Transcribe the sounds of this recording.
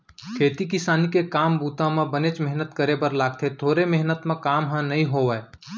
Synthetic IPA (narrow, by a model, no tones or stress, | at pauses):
kʰeːt̪ikɪsaːnikekaːmbuːt̪ãmẽbənet͡ʃmɛɦnət̪kəɾebəɾlaːɡ̚t̪ʰet̪ʰoːɾemɪɦnət̪mẽkaːmɦãnɐɦĩɦoːʋəe